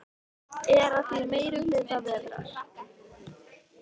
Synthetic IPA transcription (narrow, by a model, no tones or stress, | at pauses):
ɛɾaθiɾmeːjɾʏlɪðθaðɛðɾa̰ɾ̥